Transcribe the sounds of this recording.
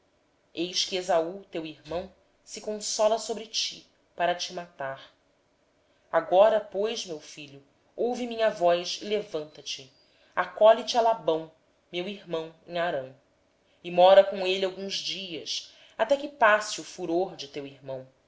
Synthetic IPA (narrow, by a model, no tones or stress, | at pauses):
ejʃkɪezaut̪ewiɾmɐ̃w̃ | sɪkõsɔlɐsobɾɪt͡ʃi | paɾɐt͡ʃimat̪aɾ | aɡɔɾɐpojʃmewfiʎʊ | owvimĩɲɐvɔjʃɪlevɐ̃nt̪ɐt͡ʃɪ | akɔlit͡ʃɪalabɐ̃w̃ | mewiɾmɐ̃w̃ḛ̃ŋ̃aɾɐ̃w̃ | ɪmɔɾɐkõelawɡũzd͡ʒiɐs | at̪ɛkɪpasɪʊfuɾoɾd͡ʒɪt̪ewiɾmɐ̃w̃